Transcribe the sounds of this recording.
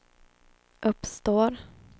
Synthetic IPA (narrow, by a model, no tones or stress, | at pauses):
ʔɵpːst̪oːɾ